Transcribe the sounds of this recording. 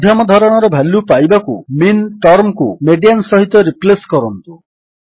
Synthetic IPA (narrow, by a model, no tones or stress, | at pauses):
d̪ʱjamɔd̪ʱɔɾɔɽ̃ɔɾɔbʱalupajbakuminʈɔɾmkumeɖiansɔɦit̪ɔɾipleskɔɾɔnt̪u